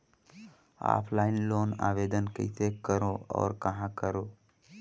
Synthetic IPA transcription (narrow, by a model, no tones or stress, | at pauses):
a̰ːpʰlaːɪnloːna̰ːʋeːd̪ənkə̰ɪsekəɾoɔ̰ːɾkɐɦãkəɾoː